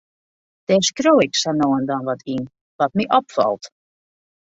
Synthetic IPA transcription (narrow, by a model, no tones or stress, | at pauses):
d̥ɛskroːɪksanoːəndɔnʋɔtʰin | ʋɔt̚miʔɔpfɔ̰lˠt